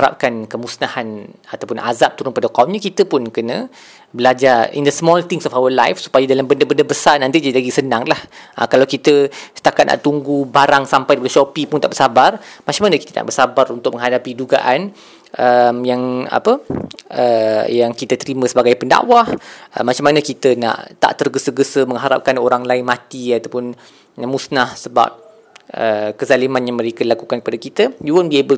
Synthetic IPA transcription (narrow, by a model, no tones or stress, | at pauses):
ɾa̰p̚kankəmusnahanat̪awpʊnʔa̰zap̚t̪uɾʊŋpadakaumɲə̃kit̪əpʊnkənə̃ | bəlad͡ʒarḭndəsmɔlt̪ɪŋsɔfawəla̰jfsu̥pajadalambəndəbəndəbəsanant̪id͡ʒadilaɡisənãŋlahʔə̰kalawkit̪əsə̥t̪akat̪̚na̰ʔt̪uŋɡubaɾaŋsampajabələʃɔpipunt̪aʔbərsabarmat͡ʃamanəkit̪əna̰ʔbəsabaɾunt̪ʊk̚mə̃ŋɦadapiduɡa̰ʔan | əmjaŋa̰pəəjaŋkit̪ət̪əɾimə̃səbaɡajpənda̰wahəmat͡ʃamanəkit̪əna̰ʔt̪a̰ʔt̪ərɡəsəɡəsəmə̃ŋɦaɾa̰p̚kanoɾaŋlaɪnmãt̪iat̪awpʊn | musnahsəba̰p̚ | əkəzalimãnjaŋməɾekadilakukankəpadakit̪əjuwənbiebə